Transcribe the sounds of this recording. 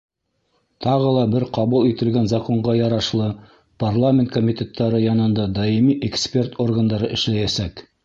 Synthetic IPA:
t̪ʰɑʁɤlˠɑbɘɾqɑβulˠit̪ɘ̆lɡænzɐko̞ɴʁɑjɑɾɑʃlˠɤ | parlˠamʲent̪̚komʲit̪ʲe̞t̪ʰːɑɾɤjɑnɤ̆nd̪ɑd̪ɑjimiʔekspʲe̞rt̪ʰo̞rɡand̪ɑɾɤʔɘ̆ʃlæjæsæk

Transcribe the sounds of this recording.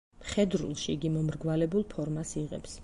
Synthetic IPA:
χɛd̪ɾṵlˠʃiːɡimɔmɾɡwalɛbulˠpʰɔɾmasiʁɛ̰ps

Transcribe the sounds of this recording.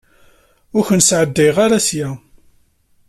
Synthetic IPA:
ʊɾçənsʕəd̪ːejʁaɾasjæ

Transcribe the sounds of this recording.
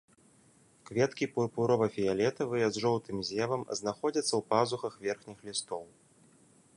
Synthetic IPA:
kvʲɛt̪kʲipupuɾɔvɐfʲijalʲɛt̪ɐvɨjɛzʐɔw̪t̪ɨmzʲɛvɐmznaxɔd͡zʲɐt̪sːɐwpazuxɐxvʲɛrxnʲixlʲist̪ɔw

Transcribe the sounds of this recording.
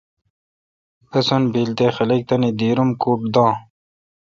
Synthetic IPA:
ɐsonbiːlt̪eːxɐlɐk̚t̪ɐnid̪iːɾumkuːʈ̚d̪ɑ̃ː

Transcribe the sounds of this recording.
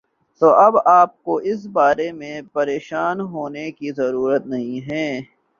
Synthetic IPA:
t̪oːʔɐbaːp̚koʔɪsbaːɾemẽpɐɾeːʃaːnɦoːnekizɐɾuːɾət̪nɐɦĩɦɛː

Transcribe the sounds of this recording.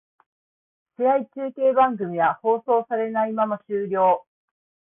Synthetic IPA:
ɕeait͡ɕɨːke̞ːbãŋɡɯ̟mʲiβaho̞ːso̞ːsaɾe̞naimamaɕɨːɾʲo̞ː

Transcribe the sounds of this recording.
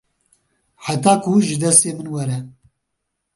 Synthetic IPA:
ħat̪aːkʰuʒɨd̪ɛst̪eːmɨnwɛɾɛ

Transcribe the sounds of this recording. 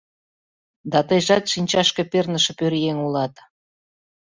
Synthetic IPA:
d̪ɑt̪əjʒɑt̪ʃinʲt͡ɕɑʃkĕpernə̆ʃĕpøɾjeŋulɑt̪

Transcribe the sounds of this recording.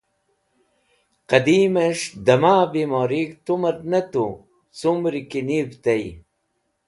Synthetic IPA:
qɐd̪imeʂd̪ɐmaːbimoɾikt̪umɐɾnɐt̪u | sumɾikinivt̪ɐj

